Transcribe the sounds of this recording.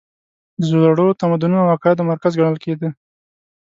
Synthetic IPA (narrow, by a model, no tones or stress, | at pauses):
zolaɽot̪amad̪ʊnunawaqɑjɪd̪omaɾkazɡaɽ̃əlked̪ə